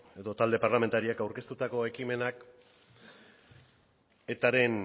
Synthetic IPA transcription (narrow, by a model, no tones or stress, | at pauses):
e̞ðo̞t̪ald̪e̞parlame̞nt̪aɾiakawɾke̞st̪ut̪ako̞e̞kime̞nak | e̞t̪aɾe̞n